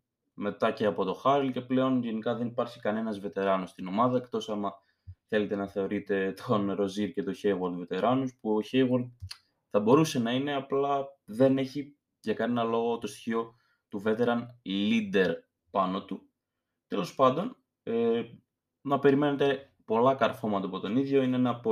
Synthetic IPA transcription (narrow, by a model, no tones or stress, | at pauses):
me̞t̪ɐce̞ɐpo̞t̪o̞xɐɾlce̞ple̞o̞nʝe̞nikɐðenipɐɾçi̥kɐne̞nɐzve̞t̪e̞ɾɐnost̪ino̞mɐðɐekt̪o̞sɐmɐ | θe̞le̞t̪e̞nɐθe̞o̞ɾit̪e̞t̪ʰo̞nɾo̞ziɾce̞t̪o̞çejɣolve̞t̪e̞ɾɐnuspuoçejɣol | θɐbo̞ɾuse̞nɐine̞ɐplɐðe̞ne̞çi | ʝɐkɐnenɐlo̞ɣo̞t̪o̞st̪i̥çio̞ | t̪uvet̪e̞ɾɐnlid̪e̞ɾ | pɐno̞t̪u | t̪e̞lo̞spɐnd̪o̞n | e | nɐpe̞ɾime̞ne̞t̪e̞ | po̞lɐkɐɾfo̞mɐt̪ɐpo̞t̪o̞niðʝo̞ineenɐpo